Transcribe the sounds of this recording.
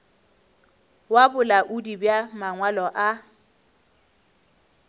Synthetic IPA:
wabʊlaʔudibjamaŋwalɔʔa

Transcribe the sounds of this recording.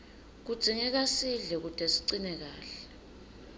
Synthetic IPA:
k̬ud̥z̥ʱiŋɛk̬asiɮɛk̬utʼɛsi̥ǀinɛk̬aːɬɛ

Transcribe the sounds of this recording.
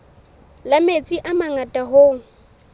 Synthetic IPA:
lamet͡sʼiʔamaŋatʼaɦoːŋ̩

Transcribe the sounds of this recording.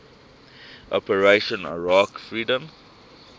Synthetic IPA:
ʔɔpəɹeʃə̃nə̰ɹakfɹiːdə̃m

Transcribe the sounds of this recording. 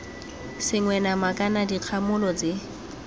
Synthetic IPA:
sɪŋwɛnamakʼanadiq͡χʰamʊlɔt͡sɪ

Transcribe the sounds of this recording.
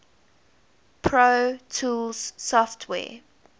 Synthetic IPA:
pʰɹotʰuːlz̥sɔftʰwɛ̰ː

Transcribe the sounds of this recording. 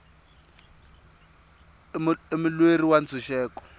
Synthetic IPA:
emʊlweriwant͡sʰuʃɛːkɔ̥

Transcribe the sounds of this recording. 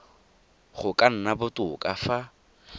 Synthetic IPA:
χʊkʼan̩nabʊtʼʊkʼafa

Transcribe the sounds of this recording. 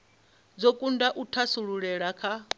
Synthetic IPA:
d͡zokʼundaʔutʰasuɺuɺɛɺakʰa

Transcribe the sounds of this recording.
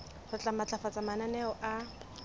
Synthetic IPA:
rɪt͡ɬʼamat͡ɬʼafat͡samananɛɔʔa

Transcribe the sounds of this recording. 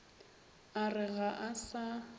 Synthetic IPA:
arɪɣaʔasa

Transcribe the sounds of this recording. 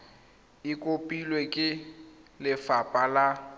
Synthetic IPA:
ɪkʼopʼilwekʼɪlɪfapʼala

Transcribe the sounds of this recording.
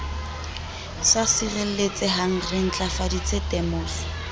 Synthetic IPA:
sasirel̩let͡sɪɦaŋ̩rɪŋ̩t͡ɬʼafadit͡setɛmɔːsɔ̥

